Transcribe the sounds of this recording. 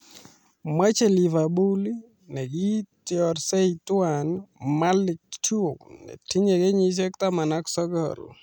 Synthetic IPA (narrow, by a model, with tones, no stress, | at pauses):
mwa˦t͡ʃe˨li˨va˨bu˦l | nɛ˨ɡi˦tiɔɾsɛ˦itwanma˦lɪ˨k̚t͡ʃu˦o˨knɛ̰˨ti˦ɲɛ˨ɡɛ˦ɲi˦s̬ɛ˦k̚ta˦ma˨na˦ksɔ˦ɡɔ̰l